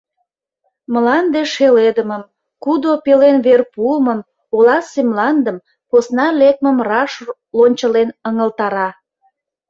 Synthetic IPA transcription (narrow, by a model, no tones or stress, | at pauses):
məlɑnd̪eʃeled̪əməm | kud̪opelenβerpuməm | olɑsemlɑnd̪əm | posnɑlek̚məmrɑʃ | lonʲt͡ɕəlenəŋəlt̪ɑɾɑ